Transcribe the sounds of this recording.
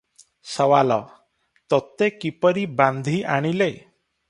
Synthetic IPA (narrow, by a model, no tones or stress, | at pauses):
səʋalɔ | t̪ɔt̪ekipəɾibãnd̪ʱiʔaɽ̃ile